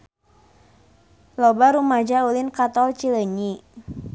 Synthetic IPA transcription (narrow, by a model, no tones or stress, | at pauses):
lɔbaɾumad͡ʒaulinkat̪ɔlt͡ʃiləɲi